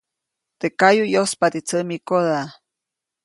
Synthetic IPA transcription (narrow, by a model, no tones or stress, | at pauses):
t̪ekajujospat̪it͡səmikoða